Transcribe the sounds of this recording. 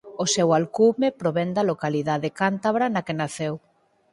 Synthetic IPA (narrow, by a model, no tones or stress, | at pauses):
osɛwalkumepɾoβɛnd̪ɐlokaliðaðekant̪aβɾanɐkenaθew